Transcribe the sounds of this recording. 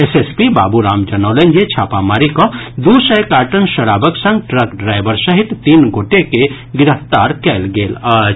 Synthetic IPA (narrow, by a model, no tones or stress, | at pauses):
esespiba̰ːbuɾaːmd͡ʒɐnɔːlẽnd͡ʒet͡ʃʰaːpamaːɾikod̪uːsəjkaːʈənʃɐɽaːbəksɐ̃ŋɡʈɾɐkɖɾaːɪbəɾsɐɦɪt̪t̪iːnɡoːʈeke | ɡɪɾəft̪aːɾkɛːlɡeːlaː